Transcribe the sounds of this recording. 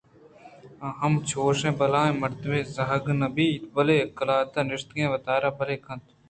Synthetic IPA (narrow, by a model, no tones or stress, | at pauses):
ɦəmt͡ʃʰoːʃẽːbəlãːẽːməɾt̪əbeːzɐɦəɡnɐbiːbəleːkəlaːt̪ãːnɪʂt̪ɡẽːʋət̪aːɾaːbəleːkʰɐ̃nt̪ʰ